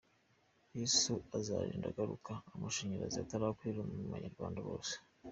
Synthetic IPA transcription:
jisuazaɾiːndaɡaɾukaːmaʃiɲiɾaziataɾakwiɾomuuβa̰ɲaɾɡwaːndaβo̞̰ːse̥

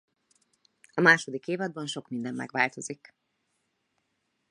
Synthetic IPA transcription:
ɒmaːʃo̞d̪ikeːvɒd̪̚bɒnʃo̞kmind̪ɛmːɛ̰ɡʋaːlt̪o̞zik

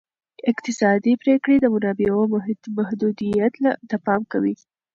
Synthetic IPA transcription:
ɪqt̪ɪsɑd̪ipɾekɽed̪əmʊnɑbewomahd̪ud̪ijat̪lad̪əpɑmkawi

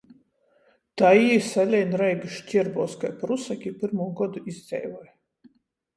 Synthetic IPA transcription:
t̪aisalʲɛjnɾɛjɡɨʃcʲiɾbɔːskajpɾusakʲipiɾmuːɡɔd̪uizzʲɛ̰jvɔj

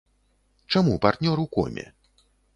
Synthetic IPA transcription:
t͡ʂamupart̪nʲɔɾuwkɔ̰mʲɛ̰

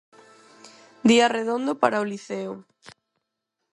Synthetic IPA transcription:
d̪iareðond̪opaɾaoliθeʊ

